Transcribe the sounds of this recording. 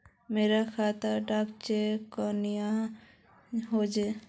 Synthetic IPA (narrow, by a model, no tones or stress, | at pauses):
meːɾakʰaːt̪əɾɖakt͡ʃekɔnija | ɦod͡ʒe